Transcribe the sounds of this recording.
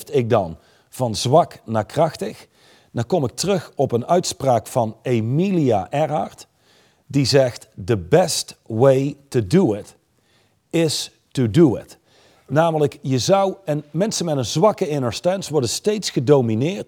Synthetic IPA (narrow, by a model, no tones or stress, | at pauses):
tɪk̚dɑn | v̥ɑnzʋɑknaːkrɑxtəx | naːkɔmɪk̚tərɵxɔpənœɥtspraːkfɑnemiliaʔɛɹɑɹt | dizɛxtdəbɛstwejtuduɪt | ɪs | tuduɪ̰t | naːmələkjəzʌwɛnmɛnsənmɛtənzʋɑkəɪnəɹstɛnsʋɔɹdənstejtsxədowminɪːɹt